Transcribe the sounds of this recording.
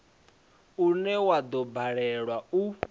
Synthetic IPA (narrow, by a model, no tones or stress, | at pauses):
unɛwad̪ɔbaɺɛɺwau